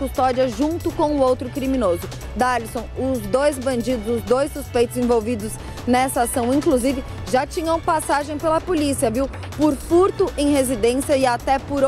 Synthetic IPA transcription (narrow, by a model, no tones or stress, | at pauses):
kust̪ɔd͡ʒiɐʒũnt̪ʊkõʊowt̪ɾʊkɾimĩnozʊ | d̪alisõw̃ʊzd̪ojzbɐ̃nd͡ʒid̪ʊzʊzd̪ojsːuspejt̪ʊzẽvowvid̪ʊz | nɛsɐasɐ̃w̃ĩkluzivɪ | ʒat͡ʃĩɲɐ̃w̃pasaʒẽj̃pelɐpolisiɐviw | pʊɾfuɾt̪ʊʔẽj̃ɦezid̪ẽsiɐɪat̪ɛpʊɾ